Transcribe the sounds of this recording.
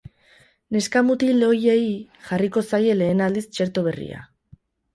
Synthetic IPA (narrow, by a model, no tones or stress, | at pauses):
ne̞skamut̪ileo̞jei | ʝariko̞saje̞le̞ːnald̪ist͡ʃe̞ɾt̪o̞βe̞rḭa̰